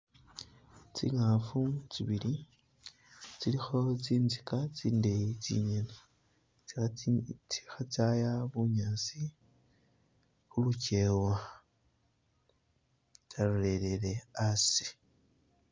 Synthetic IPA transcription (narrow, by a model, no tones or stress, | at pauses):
t͡sḭŋafut͡siβili | t͡silixot͡siːnzikat͡siːndejit͡sḭɲene | t͡siat͡siixat͡sajaβuɲaːt͡si | xuluce̞wa | t͡saɾle̞le̞le̞asi̥